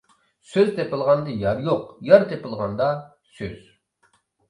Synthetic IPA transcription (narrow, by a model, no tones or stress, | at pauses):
søzt̪ʰepɨlˠʁɑnd̪ɨjɑɾjoqjɑɾt̪ʰepɨlˠʁɑnd̪ɑ | sø̰z̥